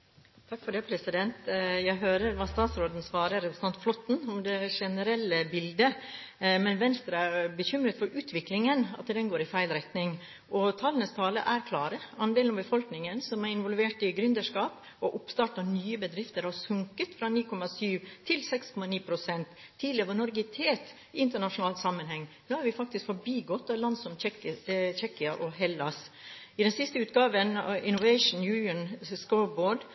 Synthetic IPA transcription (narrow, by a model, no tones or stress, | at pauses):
t̪ʰɑkːfɔɖɛɪpʰɾɛsɪd̪ɛnt̪jæɪɦøːɾəɾʋɑːst̪ɑːt̪sɾoːd̪n̩sʋɑːɾəɾɛpɾəsɑnt̪flɔt̪ːn̩ɔmd̪ɛʂɛnəɾɛlːəbɪld̪ə | mɛnʋɛnst̪ɾəæɾbəçʏmɾət̪fɔɾʔʉːt̪ʰʋɪklɪŋənɑ̰t̪d̪ɛnɡoːɾɪfæɪlɾɛt̪nɪŋ | ʔɔt̪ʰɑlənəst̪ʰɑːlə̰ʔæɾkʰlɑːɾəɑnd̪eːlɔmbəfɔlknɪŋənsɔmæɾɪnʋɔlʋeːʈɪɡɾʉnd̪əʂkɑːp | ɔʔʊpst̪ɑːʈɑnyːəbəd̪ɾɪft̪əɾhɑsʉŋkət̪fɾɑniːkʰɔmɑsyːʋt̪ʰːɪlsɛkskʰɔmɑniːpʰɾʊsɛnt̪ʰːiːd̪lɪəʋɑɳɔɾɡɪt̪ʰeːt̪ | ɪɪnt̪əɳɑʂʊnɑːlt̪sɑmːənhɛŋːnoːhæɾʋɪfɑk̚t̪ɪskfɔbiːɡɔt̪ːɑʋlɑnd̪sɔmɛt͡ʃɛkɪɑʔɔɦɛlːɑsɪd̪ɛnsɪst̪əʉːt̪ɡɑːʋənɪnʊʋɛɪʂn̩jʉənskɔʊboːɖ